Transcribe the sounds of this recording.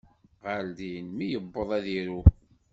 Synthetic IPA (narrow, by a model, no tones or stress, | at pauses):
ʁəld̪inmijəbːəðˤæðiɾu